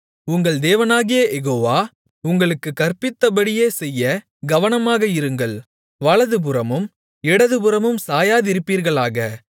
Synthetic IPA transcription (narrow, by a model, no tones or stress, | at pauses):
ʊŋɡɐɭd̪eːʋɐnaːɣɪjɐjɛɣoːʋaː | ʊŋɡɐɭɯkːɯkːɐrpɪt̪ːɐbɐɽɪjeːsɛjːɐ | ɡɐʋɐnɐmaːɣɐɪɾɯŋɡɐɭ | ʋɐɭɐðɯp̬ɯɾɐmɯm | ɛɽɐðɯbɯɾɐmɯmsaːjaːðɪɾɯpːiːɾɣɐɭaːɣɐ